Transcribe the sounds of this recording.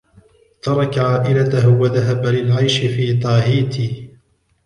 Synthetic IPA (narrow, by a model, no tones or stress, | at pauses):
t̪ɑɾˤɑkaʕaːʔɪlat̪aɦwaðaɦabalɪlʕajʃɪfiːt̪ˤɑːɦiːt̪iː